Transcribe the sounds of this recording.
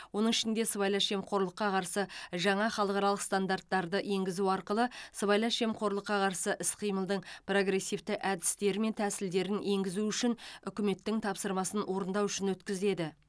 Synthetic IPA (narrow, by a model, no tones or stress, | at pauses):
wo̞nəɴɪʃɪnd̪e̞səβɑjlˠɑʃe̞mqʰo̞ɾlˠəqːɑqʰɑɾsəʒɑɴɑχɑlˠəqɑɾɑlˠəqst̪and̪art̪ːɑɾd̪əʔe̞ŋɡʲɪzuɑɾqəlˠəsəβɑjlˠɑʃe̞mqʰo̞ɾlˠəqːɑqʰɑɾsəʔɪsqʰəjməlˠd̪əɴpro̞ɡɾe̞sːift̪ɪʔæd̪ɪ̥st̪e̞ɾɪme̞nt̪ʰæsɪld̪e̞ɾɪnʔe̞ŋɡʲɪzuʏʃɪnʏkʲɪme̞t̪ːɪŋt̪ʰɑpsəɾmɑsənwo̞ɾənd̪ɑwʏʃɪnwɵt̪kʲɪze̞d̪ɪ